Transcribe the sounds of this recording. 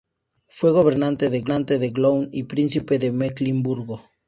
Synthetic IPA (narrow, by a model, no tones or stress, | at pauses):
fweɣ̞oβ̞eɾnãnt̪eðeɣnãnt̪eðeɣlownipɾin̟θipeðemeklimbuɾɣo